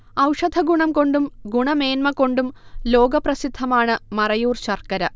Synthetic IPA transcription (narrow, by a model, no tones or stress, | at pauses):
ɐwʂɐd̪ʱɐɡuɳɐmko̞ɳɖumɡuɳɐme̞ːnmɐko̞ɳɖumlo̞ːɡɐprɐsid̪ʱːɐmaːɳɨmɐrɐjuːrɕɐrkɐɾɐ